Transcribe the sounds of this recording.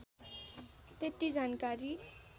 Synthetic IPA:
t̪et̪id͡zankaɾi

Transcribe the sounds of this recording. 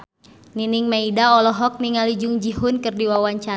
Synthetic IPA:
niniŋmaidaɔlɔɦɔk̚niŋalid͡ʒʊŋd͡ʒiɦʊnkɨrdiwawaɲt͡ʃa

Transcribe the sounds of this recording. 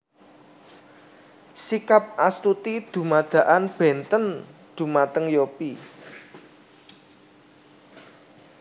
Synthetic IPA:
sikap̚ʔast̪ut̪id̪̥ṳmad̪̥ä̤ʔanb̥ɛ̤nt̪ənd̪̥ṳmat̪əŋjopi

